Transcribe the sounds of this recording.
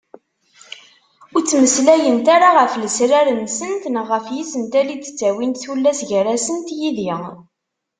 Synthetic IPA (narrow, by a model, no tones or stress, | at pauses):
ʊɾt͡sːməslæjənt̪aɾaʁəfləsɾaɾənsənt̪nəʁːəfjisənt̪ælit͡sːə̥t͡sːæwint̪θulːæsʝəɾæsənt̪jiði